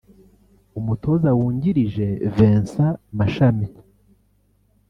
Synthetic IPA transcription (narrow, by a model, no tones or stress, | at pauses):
umutʰo̞ːzawuːɲɟiɾiʒe̞veːnsamaʃami